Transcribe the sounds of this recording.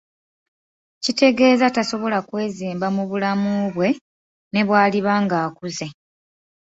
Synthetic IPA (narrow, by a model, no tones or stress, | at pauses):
cite̞ɡe̞ːzataso̞βo̞lakwe̞ːziːmbamuβulamuβwe̞ | ne̞βwaːliβaːŋɡaːkuze̞